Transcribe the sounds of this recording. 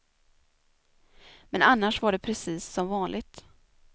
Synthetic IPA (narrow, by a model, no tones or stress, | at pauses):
mɛnanːaʂvaɖɛpʰɾɛsiːsːɔmvɑːnlʔɪɡt̪